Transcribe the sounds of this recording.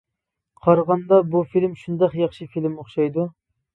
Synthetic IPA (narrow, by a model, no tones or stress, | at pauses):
qʰɑɾʁɑnd̪ɑbufilmʃund̪ɑqjɑχʃɨfilmoχʃɑjd̪u